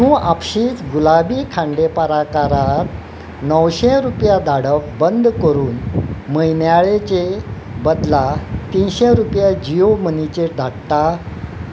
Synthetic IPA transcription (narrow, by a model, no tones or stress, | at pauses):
mũːapɕiːt͡sɡulabiːkʰãɳɖepaɾakaɾat̪ | nəwɕeɾupjad̪aɽək̚bənd̪ʱkəɾuːnməjnjaɭet͡ɕebəd̪lat̪inɕẽɾupjad͡ʑijomənit͡ɕed̪ʱaɽt̪a